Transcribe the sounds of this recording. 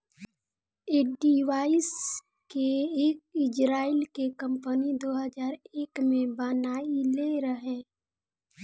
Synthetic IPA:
eːɖiʋaːɪs | keeːk̚ɪd͡ʒɾaːɪlkekə̃mpənid̪oːɦəzaːɾeːkmẽbaːnaːileɾəɦẽː

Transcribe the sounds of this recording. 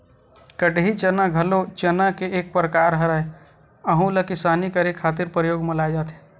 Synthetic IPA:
kəɖɦit͡ʃənaɡʱɐlot͡ʃɐnakeʔeːk̚pɾəkaːɾɦɐɾae | ɐɦũlɐkɪsaːnikɐɾekʰːaːt̪̬ɪɾpɾəjoːɡmɐlaːjd͡ʒaːt̪ɦẽ̥ː

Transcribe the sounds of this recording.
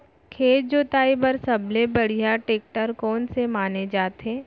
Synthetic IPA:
kʰeːd͡ʒd͡ʒoːt̪aːibəɾsɐblebɐɽ̤ijaʈeːk̚ʈəɾkɔːnsemaːned͡ʒaːt̪ẽː

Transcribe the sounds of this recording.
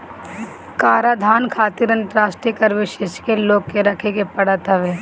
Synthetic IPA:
kaːɾaːd̪ʱaːnkʰaːt̪iɾɐ̃nt̪ɾaːsʈɾikəɾʋɪʃeːʃkeloːɡːeɾɐkʰeɡepɐɽat̪aʋeː

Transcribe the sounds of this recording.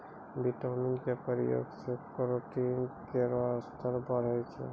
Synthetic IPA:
biʈəmiŋkepəɾḭjo̰ɡsekoɾoʈinkeɾast̪ʰəɾbəɽ̤əjt͡ʃʰɛ̰

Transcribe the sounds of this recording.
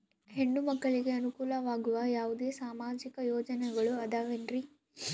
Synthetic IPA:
ɦe̞ɳːumɐkːɐɭiɡe̞ɐnukuːlɐʋaːɡuʋɐjaːʋud̪e̞ːsaːmaːd͡ʒikɐjɔːd͡ʒɐnɛɡɐɭuɐd̪aːʋenɾi

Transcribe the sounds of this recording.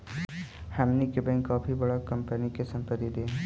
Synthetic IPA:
hɐmnikebɛ̃ːŋkaːpʰibɐɽakɐ̃mpənikesɐ̃mpət̪id̪e

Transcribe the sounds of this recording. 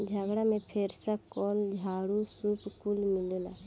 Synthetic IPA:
d͡ʒʱəɡɽamẽpʰeːɾsakɔːld͡ʒʱaːɽusupkulmɪlela

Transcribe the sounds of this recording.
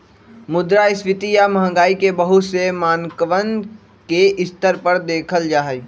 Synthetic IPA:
mʊd̪ɾaɪsʋɪt̪ijaməɦə̃ŋɡaːikebəɦusemaːnkəʋənd̪ | keʔɪst̪əɾpəɾd̪eːkʰəld͡ʒaːɦɛ

